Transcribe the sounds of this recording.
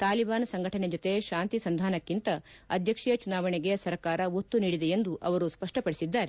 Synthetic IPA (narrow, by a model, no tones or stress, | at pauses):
t̪aːlibaːnɐsɐŋɡʱɐʈɐned͡ʒot̪e̞ʃaːnt̪isɐnd̪ʱaːnɐkːint̪ɐɐd̪ʱjɐkʂijɐt͡ʃunaːʋɐɳeɡesɐɾkaːɾɐot̪ːuniːɽid̪eend̪uʔɐ̰ʋɐɾuspɐʂʈɐpɐɽisid̪ːaːɾe